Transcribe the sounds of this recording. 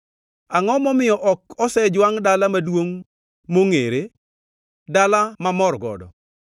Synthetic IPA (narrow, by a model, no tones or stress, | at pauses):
aŋɔmɔmɪjɔʔɔkɔsɛd͡ʒwaŋdalamadwoŋ | moŋḛɾe | dalamamɔrɡɔ̰dɔ̰